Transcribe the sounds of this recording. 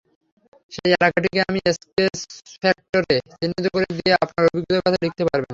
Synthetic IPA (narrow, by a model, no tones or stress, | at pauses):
ʃejelakaʈ̬ikeamieskesfɛk̚ʈoɾet͡ɕinːit̪ukoɾed̪ieapnaɾobiɡɾot̪okɔt̪ʰalik̚t̪epaɾben